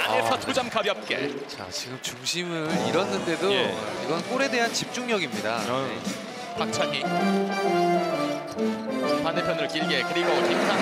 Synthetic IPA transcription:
aneɭpʰjʌtʰod͡ʑamkabiɦap̚k͈ḛt͡ɕa̰t͡ɕiɡɯmt͡ɕuŋɕʰimɯɾiɾʌnːɯnde̞doeiɡʌnnk͈oɾe̞de̞ɦant͡ɕip̚t͡ɕ͈uŋɲʌɡimɲida | pak̚t͡ɕʰaɲi | paneɭpʰjʌnɯɾɯkiɭɡekɯɾiɡotʰetʰa

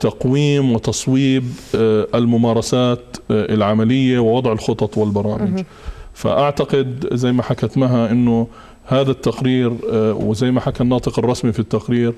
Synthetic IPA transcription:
t̪ɑqwiːmwɪt̪ɑsˤwiːbɪlmʊmɑːɾˤɑsaːt̪ɪ̰lʕamalɪjːawɪwɑd̪ˤʕɪlxʊt̪ˤɑt̪ˤwɪlbɑɾˤɑːmɪd͡ʒ | fa̰ʔaʕt̪aqɪd̪zajːmaħakat̪maɦaʔɪnːʊ | haːðat̪ːaqɾiːɾwɪzajːmaħakanːɑːt̪ˤɨqɑrˤːɑsmifit̪ːaqɾiːɾ

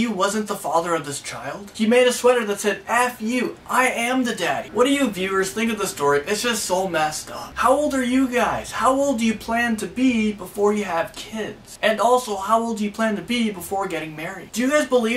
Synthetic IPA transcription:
jɨwʌzɨ̃nðəfɑðə˞ʌvðɪst͡ʃʰaɪlˠd̥himeɪɾɨswɛɾə˞ðɨtsɛɾæfjʉʔaɪɨ̃mðɨdæɾḭwʌd̥ɨjɨvjʉə˞z̥θɪ̃ŋkʌvðɨstɔɹiʔɨtsd̥ʒ̥ʌstsoʊmɛstʌ̰fhaʊoʊlˠdə˞jɨɡaɪz̥haʊoʊlˠdɨjɨpʰl̥æ̃ntʰɨbibəfɔɹjɨəv̥kʰɪdz̥ɨ̃nɔlˠsoʊhaʊoʊlˠdɨjɨpʰl̥æ̃ntɨbibəfɔɹɡɛɾɪ̃ŋmɛɹidd̥ɨjɨɡaɪzbəli

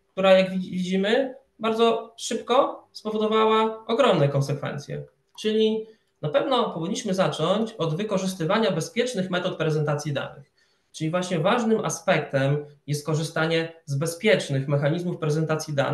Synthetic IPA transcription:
k̚t̪uɾajaɡvʲiid͡ʑimɘ | baɾd̪zɔʂɘpkɔspɔvɔd̪ɔvawaʔɔɡɾɔmnɛkɔnsɛkfɛ̰nt̪sʲjɛ̰ | t͡ʂɘlʲi | napɛvnɔpɔvʲiɲːiɕmɘzat͡ʂɔɲt͡ɕɔd̪vɘkɔʐɘs̬t̪ɘvaɲabɛspʲjɛt͡ʂnɘxmɛt̪ɔt̪̚pɾɛzɛnt̪at̪sʲjid̪a̰nɘx | t͡ʂɘlʲivwaɕɲɛvaʐnɘmʔa̰spɛkt̪ɛmjɛst̪kɔʐɘst̪aɲɛzbɛspʲjɛt͡ʂnɘxmɛxaɲizmufpɾɛzɛnt̪at̪sʲjid̪a̰n

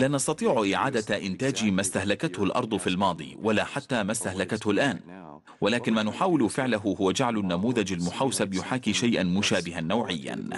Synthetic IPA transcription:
laːnɑst̪ɑt̪ˤiːʕʊʔɪʕaːd̪aʔɪnt̪aːd͡ʒimast̪ahlakat̪hʊlʔɑ̰ɾˤd̪ˤfilmɑːd̪ˤḭːwʔalaːħat̪ːaːmast̪ahlakat̪hʊlʔaːn | walaːkɪnmaːnʊħaːwɪlfɪʕlaɦʊhʊwad͡ʒaʕlʊnːamuːðad͡ʒalmʊħawsabjʊħaːkiːʃajʔanmʊʃaːbɪɦanːawʕɪjːa̰n

